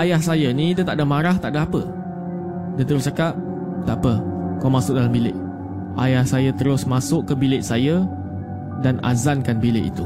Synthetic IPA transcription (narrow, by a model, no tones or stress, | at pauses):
ajahsajanĩdət̪aʔdamaɾaht̪aʔdaapə | dət̪əɾʊst͡ʃakap̚ | t̪aʔapəkawmasʊk̚dalambilɪʔ | ʔajahsajat̪əɾʊsmasʊʔkːəbilɪʔsaja | dana̰zankanbilɪ̰ʔḭt̪u